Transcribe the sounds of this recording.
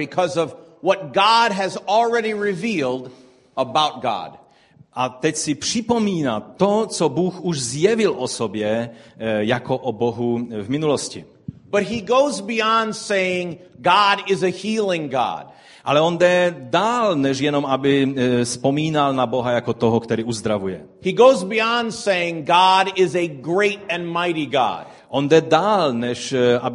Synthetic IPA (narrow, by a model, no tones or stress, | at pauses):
bɨkʰʌzʌv | wʌt̚ɡ̥ɑd̚ɨzl̩ˠɹɛɾiɹɪvilˠd | əbaʊt̚ɡ̥ɑ̰d̥ | ʔat̪ɛcsipr̝̥ipɔmiːnat̪ɔt͡sɔbuxuʒzjɛvilʔɔsɔbjɛ | jakɔʔɔbɔɦuvminulɔscḭ | b̥ʌt̚ɦiɡoʊzbiɑ̃ndseɪɪ̃ŋ | ɡɑɾɪzɨhilˠɪ̃ŋɡɑ̰d̥ | ʔalɛɔnd̪ɛd̪aːlnɛʒjɛnɔmabispɔmiːnalnabɔɦajakɔt̪ɔɦɔkt̪ɛɾiːuzd̪ɾaʋujɛ | hiɡoʊzbiɑ̃ndseɪɪ̃ŋɡɑɾɪzɨɡɹeɪɾɨ̃nmaɪɾiɡɑ̰d̥ | ʔɔnd̪ɛd̪aːlnɛʃa